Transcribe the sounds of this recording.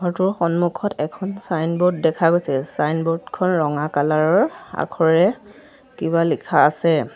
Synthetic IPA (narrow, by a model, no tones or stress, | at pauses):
ɡʱɔɹtʊɹxɔnmukʰɔtɛkʰɔnsajnbɔd̚dɛkʰaɡojsɛsajnbɔdkʰɔnɹɔŋakalaɹɔɹa̰kʰɔɹɛ | kiβalikʰaːsɛ